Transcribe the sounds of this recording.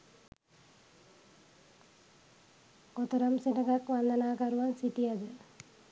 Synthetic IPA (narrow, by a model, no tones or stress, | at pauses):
ɡot̪əɾamsenəɡakʋand̪ənaːkaɾuʋansiʈijad̪ə